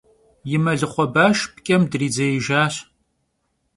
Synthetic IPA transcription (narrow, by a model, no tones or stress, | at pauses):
jɪmɐɮɨχʷɔbaːʃpkʲʼɐmdriːd͡zɐjʒaːɕ